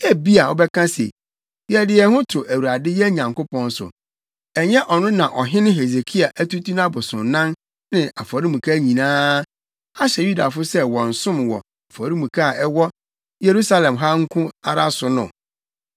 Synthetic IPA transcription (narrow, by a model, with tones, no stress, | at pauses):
æ˦bi˦a˨ɔ˦bɛ˦kʰã˦sḛ˨ | jɛ˨dɪ˨ɛ˨hʊ̃˦tʰʊ˨ʔæ˨wu˨ɾa˨dɪ˦jɛ˦ɲã˨ŋkʊ˦pʰɔ̃˦n˦sʊ̰˨ | ɛ˨ɲɛ̃˦ʔɔ˨nʊ̃˦nã˨ʔɔ˨ɦɪ̃˦nɪ̃˦ɦe˨ze˨kʰi˦a˨ʔæ˦tu˦tu˦nã˦bʊ˨sʊ̃˨nnã˦n | nɪ̃˨ʔa˨fɔ˨ɾi˦mũ˨kʰa˦ɲĩ˨nãː˦ | a˦ɕɛ˨ju˦da˨fʊ˦sɛ˦wɔ̃˨n̩˨sʊ̃˦mwɔ˨ | a˨fɔ˨ɾi˦mũ˨kʰa˦˨ɛ˦wɔ˦ | je˨ɾu˦sa˦lɛ̃˨mɦa˦ŋ̩˦kʰʊ̃˦a˨ɾa˦sʊ˨nʊ̰̃˨